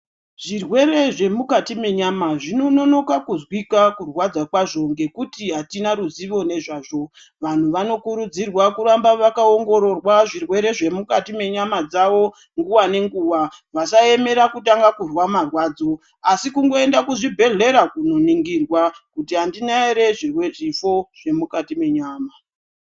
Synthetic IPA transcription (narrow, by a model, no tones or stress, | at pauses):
ʐ̥irwe̞ɾe̞ʐe̞mukatime̞ɲamaʐino̞no̞no̞kakuzwikakurwad͡zakwaʐo̞ŋɡe̞kutiɦatinaɾuziʋo̞ne̞ʐaːʐo̞ | ʋan̤uʋano̞kuɾud͡zirwakuɾambaʋakao̞ŋɡo̞ɾo̞rwaʐirwe̞ɾe̞ʐe̞mukatime̞ɲamad͡zaʋo̞ | ŋɡuwane̞ŋɡuwaʋasae̞me̞ɾakutaŋɡakurwamarwaːd͡zo̞ | asikuŋɡo̞e̞ndakuʐibʱe̞ɮe̞ɾakuno̞niŋɡirwakutiɦandinaeɾe̞ʐiweʐifo̞ʐ̥e̞mukatime̞ɲaːma